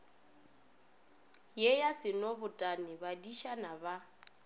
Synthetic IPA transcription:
jɛjasɪnɔβʊtʼanɪβadiʃanaβa

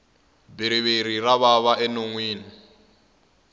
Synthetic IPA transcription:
biɾ̤iβiɾiraβaβaʔɛnoŋwiːni

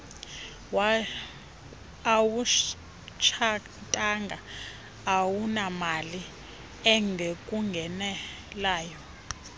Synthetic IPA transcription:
wa | awu | t͡ʃʰa | tʼaŋɡʱa | awunamali | ɛŋɡʱekʼuŋɡʱɛnɛ | laːjɔ

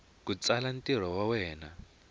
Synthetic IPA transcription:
kut͡salan̩tiɾ̤ɔwawɛːna

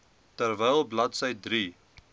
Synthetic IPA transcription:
tərvɛjlˠblɐtsəjdri

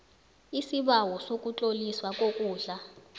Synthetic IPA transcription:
isiɓawɔsok̬ʼut͡ɬʼoliswak̬ʼokʼuːɮa

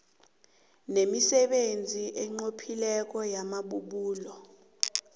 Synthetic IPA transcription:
nemisɛɓend͡zʱiʔɛŋ͡ǃopʰilɛk̬ʼɔjamaɓuɓuːlɔ

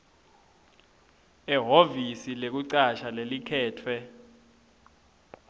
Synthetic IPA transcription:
ɛɦovisilek̬uǀaʃalelikʰɛːtʰwɛ

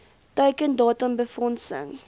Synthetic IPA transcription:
təkəndɑːtəmbəfɔnsə̰ŋ

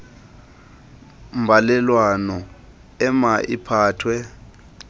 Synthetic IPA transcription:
m̩balɛlwanɔ | ɛmaʔipʰaːtʰwɛ

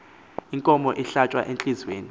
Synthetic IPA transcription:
iŋkʼɔmɔʔiɬat͡ʃʼwa̰ʔent͡ɬʼizweːni

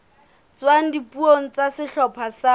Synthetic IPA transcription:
t͡swaŋ̩dipuoŋ̩t͡sasɪɬɔpʰasa

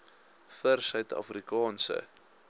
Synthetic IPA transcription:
fərsœɥt̪ɐ̰frikɑːnsə̰

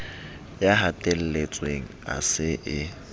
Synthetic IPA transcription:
jaɦatʼel̩let͡sʼweŋ̩a̰sɪʔɪ

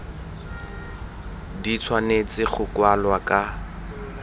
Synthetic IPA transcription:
dit͡sʰwanet͡sɪχʊkwalwakʼa

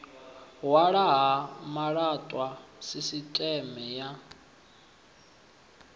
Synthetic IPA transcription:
ɦwaɺaɦamaɺatʼwasisitʼɛmɛja

